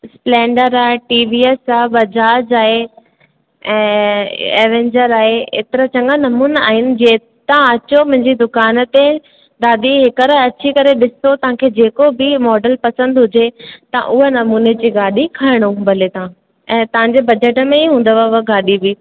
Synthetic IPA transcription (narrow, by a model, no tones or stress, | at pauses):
splɛ̃ːɳɖəɾaːeʈiːʋiːesaːbɐd͡ʑaːd͡ʑaːɦe | ɛ̃ːḛːʋẽːɲd͡ʑəɾaːɦeḛːt̪ɪɾat͡ɕɐ̃ŋɡanɐmuːna̰ːɦɪnɪ̆d͡ʑeː | t̪ãɐt͡ɕomʊ̃ɦɪ̃ɲd͡ʑid̪ʊkaːnə̆t̪e | d̪aːd̪iɦɪkəɾɐt͡ɕʰikɐɾeɗɪsot̪ɐʋ̤ãkʰeːd͡ʑeːkobɪmɔːɖəlpɐsə̃nd̪ɦʊd͡ʑet̪ɐ̰̃ʔʊɦenɐmuːned͡ʑiɡaːɗikʰaːɪɽ̃ũbʱɐlet̪ɐã | ɛ̃ːt̪ɐʋ̤ãɲd͡ʑebɐd͡ʑeʈəmẽiɦũːnd̪əʋaaɡaːɗibi